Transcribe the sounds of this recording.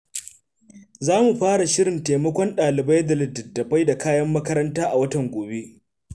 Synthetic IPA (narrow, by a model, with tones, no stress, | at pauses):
zaː˦mu˨ɸaː˦ɽa˨ʃɪ˦ɽɪ˨nteː˨mɐ˦kʷɔ˦nɗaː˨lɪ˨ba˦jdɐ˨lɪ˨dɐ˨dːɐ˨ɸa˦jda˨kaː˦jɐ˦mːɐ˦kɐ˦ɾɐ˦ntaː˦ʔa˨wɐ˦tɐ˨ŋɡʷoː˨be˦ʔ